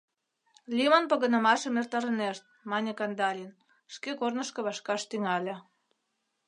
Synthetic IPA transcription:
lʲimonpə̆ɣə̆nə̆mɑʃə̆mert̪ɑɾəneʃt̪̚mɑnʲekɑnd̪ɑlʲin | ʃkekornəʃkɤ̆βɑʃkɑʃt̪yŋɑlʲĕ

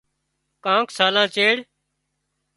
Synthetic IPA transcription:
kãːksaːlãːt͡ʃeːɽ

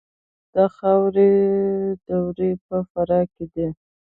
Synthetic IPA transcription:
d̪̥axawɾe | d̪əwɾepəfaɾɑked̪i

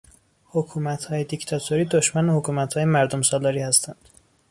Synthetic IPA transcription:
hokʰuːmæt̪hɒːjed̪ict̪ʰɒt̪ʰoɾiːd̪oʃmænehokʰuːmæt̪hɒːjemæɾd̪omsɒːlɒːɾiːhæst̪ʰænd̪̥

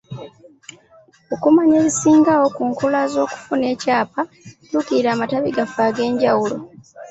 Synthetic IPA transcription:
okumaɲeːβisiːŋɡawo̞kuːŋkulazo̞ːku̥fune̞ːcaːpa | tukiiɾaːmataβiɡafaːɡe̞ːɲɟawulo̞̰

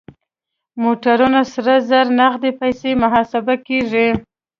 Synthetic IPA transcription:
moʈaɾunasɾazaɾnaɣd̪epajsemʊɦɑsabakeʐi

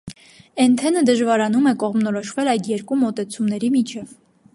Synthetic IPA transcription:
ɛnt̪ʰɛnəd̪əʒvɑɾɑnumɛkɔʁmnɔɾɔʃvɛlɑjd̪jɛɾkumɔt̪ɛt͡sʰumnɛɾimit͡ʃʰɛv

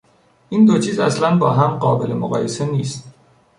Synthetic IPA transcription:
ʔiːnd̪o̞t͡ʃʰiːzæslænbɒːɦæmɢɒːbe̞le̞moɣɒ̰ːje̞se̞niːst̪

